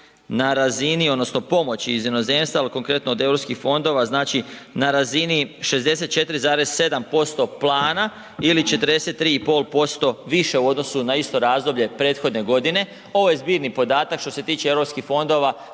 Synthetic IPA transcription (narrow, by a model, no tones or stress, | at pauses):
naɾazinio̞d̪no̞sno̞po̞mo̞t͡ɕiizjeno̞ze̞mst̪ʋaliko̞ŋkɾe̞t̪noːd̪e̞vɾopskixfo̞nd̪o̞ʋaznaːt͡ʃinaɾaziniʃe̞zd̪e̞se̞t̪̚t͡ʃe̞t̪ɾizaːɾe̞z̥se̞d̪ampo̞st̪o̞plˠaːna | ilit͡ʃe̞t̪əɾd̪e̞set̪ːɾiːipo̞ːlˠpo̞st̪o̞ʋiʃe̞uo̞d̪no̞sunaist̪o̞ɾaːzd̪o̞bʎe̞pɾe̞ːt̪xo̞d̪ne̞ɡo̞d̪ine̞ | o̞ʋo̞je̞zbiːɾnipo̞d̪aːt̪akʃt̪o̞se̞t̪iːt͡ʃeeʋɾopskixfo̞nd̪o̞ʋa